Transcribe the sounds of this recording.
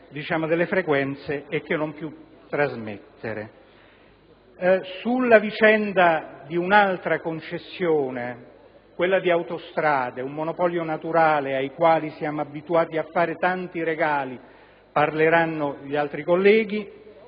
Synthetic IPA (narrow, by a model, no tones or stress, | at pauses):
d̪it͡ʃaːmod̪elːefɾekwɛnt̪seːk̟ːenːompju | t̪ːɾazmḛt̪ːeɾḛ | sulːavit͡ʃɛnd̪ad̪iunalt̪ɾakont͡ʃesːjoːne | kwelːad̪iawt̪ost̪ɾaːd̪eumːonopɔljonat̪uɾaːleajkwaːlisjaːmoabːit̪uaːt̪iafːaːɾet̪ant̪iɾeɡaːli | parleɾanːoʎialt̪ɾikolːɛːɡi